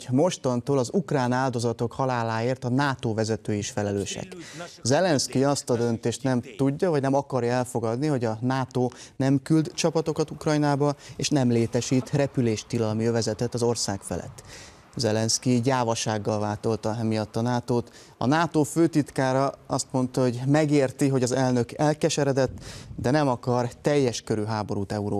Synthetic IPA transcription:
mo̞ʃt̪ont̪oːlɒzukraːnaːld̪o̞zɒt̪o̞khɒlaːlaːeːrt̪ɒnaːt̪oːvɛzɛt̪øːjiʃfɛlɛløːʃɛ̰kzɛlɛnskiɒst̪ɒd̪ø̞nt̪eːʃt̪nɛmt̪uɟːɒvɒɟnɛmɒkɒrjɒɛlfo̞ɡɒd̪niɦo̞ɟɒnaːt̪oːnɛmkyld̪t͡ʃɒpɒt̪o̞kɒt̪ukrɒjnaːbɒeːʃnɛmleːt̪ɛʃiːt̪rɛpyleːʃt̪ilɒlmijøvɛzɛt̪ɛt̪ɒzo̞rsaːkfɛ̰lɛ̰t̪ː | zɛlɛnskiɟaːvɒʃaːɡːɒlvaːt̪o̞lt̪ɒmijɒt̪ːɒnaːt̪oːt̪ | ɒ̰naːt̪oːføːt̪it̪kaːɾɒɒst̪mo̞nt̪ɒɦo̞ɟmɛɡeːrt̪iɦo̞ɟɒzɛlnø̞kɛlkɛʃɛɾɛd̪ɛt̪ːd̪ɛnɛmɒkɒrt̪ɛjːɛʃkøɾyɦaːbo̞ɾuːt̪ɛuɾoː

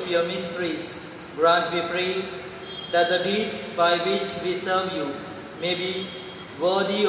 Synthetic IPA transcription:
fjɔmɪsʈəɾis | ɡɾãnʈwipɾe | d̪æt̚d̪əɖidsbajwit͡ʃwisəvju | mebi | wəd̪i

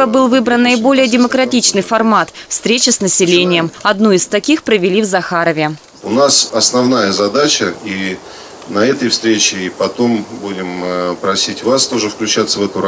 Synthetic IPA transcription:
əbɨlˠvɨbɾənːəɪbo̞lʲɪjədʲɪməkɾɐtʲit͡ɕnɨjfɐrmat̪fst̪ɾʲet͡ɕɪsnəsʲɪlʲenʲɪjəmɐd̪nuɪst̪ɐkʲixpɾəvʲɪlʲivzɐxaɾəvʲɪ | ʊnasɐsnɐvn̪ajəzɐd̪at͡ɕəi | nɐɛt̪əjfst̪ɾʲet͡ɕɪpɐt̪o̞mbudʲɪmpɾɐsʲitʲvast̪oʐɨfklʲʉt͡ɕat̪səvɛt̪ʊɾ

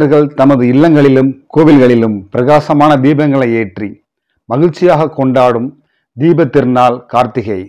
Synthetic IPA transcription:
ɾɣɐɭt̪ɐmɐðɯɪlːɐŋɡɐɭɪlɯmkoːʋɪlɣɐɭɪlɯmpɪɾɐɣaːsɐmaːnɐd̪iːbɐŋɡɐɭɐɪeːʈri | mɐɣɪɻt͡ʃːɪjaːɣɐkːɔɳɖaːɽɯm | d̪iːbɐt̪ːɪɾnaːlkaːɾt̪ɪɣɐɪ

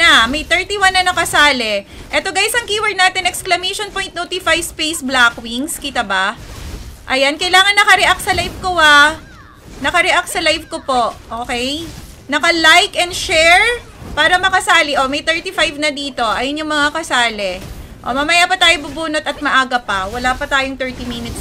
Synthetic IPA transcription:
nɐmɐjt̪ɛɹt̪iwanːɐnɐkɐsaːlɛ | ʔɛt̪oɡaːjsɐŋkiːwɛɹd̪̚naːt̪ɪnʔɛksklɐmejʃonpojnt̪not̪ifajspejsblakwiŋskit̪ɐba | ʔɐjankɐjlaːŋɐnːɐkɐɾɛʔak̪̚sɐlajvkowa | nɐkɐɾɛʔak̪̚sɐlajvkopo̞ʔʔoːkɛj | nɐkɐlajkɛnd̪ʃɛɹ | paːɾɐmɐkɐsaːliʔomɐjt̪ɛɹt̪ifajvnɐd̪iːt̪o̞ʔɐjonjʊŋmɐŋakɐsaːlɛʔo̰mɐmɐjapɐt̪aːjobubuːnot̪ɐt̪̚mɐʔaːɡɐpɐwɐlapɐt̪aːjoŋt̪ɛɹt̪iminɪt̪s

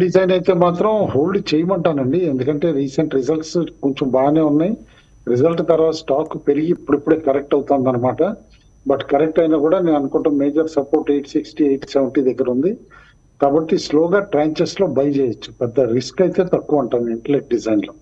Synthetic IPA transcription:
ɖid͡ʒɐjnɐjt̪e̞ːmaːt̪ɾɐmɦo̞ːlɖt͡ʃeːjɐmɐɳʈaːnɐɳɖiend̪ukɐɳʈe̞ːɾiːseɳʈɾizɐlʈskoɲt͡ʃembaːne̞ːunːaːj | ɾizɐlʈt̪ɐɾʋaːsʈaːkpe̞ɾiɡiːpːuɽipːuɽe̞ːkɐɾek̚ʈɐwt̪aːnd̪ɐnːɐmaːʈɐ | bɐʈkɐɾek̚ʈɐjnaːkuːɽaːne̞ːnɐnukɔɳʈaːmːeːd͡ʒɐɾsɐpoːɾʈejʈsiksʈiːejʈseʋɳʈiːd̪ɐɡːɐɾund̪i | kaːbɐʈːisloːɡaːʈɾaːɲt͡ʃeslo̞ːbɐjɐt͡ʃeːjɐt͡ʃːu̥pɛd̪ːɐɾiskɐjt̪e̞ːt̪ɐkːuʋɐɳʈaːnd̪iiɳʈɐɾnek̚ʈ̚ɖizɐjnloː

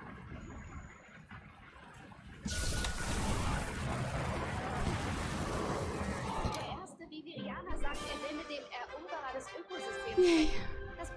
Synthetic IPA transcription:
d̥eːɐʔeːɐstəviviʁiaːnazak̚tʔɪzɪnədeːmɛɐʔondəʁɐdɛsʔøːkozʏstʰeːmmd̥as

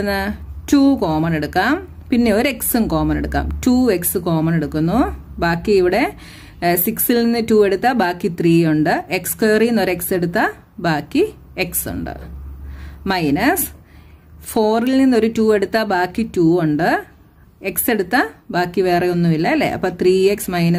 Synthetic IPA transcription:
nːɨtuːko̞ːmɐne̞ɽukːaːm | pinːe̞o̞ɾe̞ksɨnko̞ːmɐneɽukːa̰ːmtuːeksɨko̞ːmɐneɽukːunːubaːkːiiʋiɽe̞ | siksilninːɨtuːe̞ɽut̪ːɐbaːkːit̪riːuɳɖɨekskeːrijnːoɾekse̞ɽut̪ːɐ | baːkːi | eksṵɳɖɨ̰ | mɐjnɐs | fo̞ːrilninːo̞ɾutuːe̞ɽut̪ːɐbaːkːituːoɳɖɨ | e̞kse̞ɽut̪ːɐbaːkːiʋe̞ːrɐjonːuʋilːɐɐlːḛʔɐ̰pːɐːt̪ʰriːeksmɐjnɐ

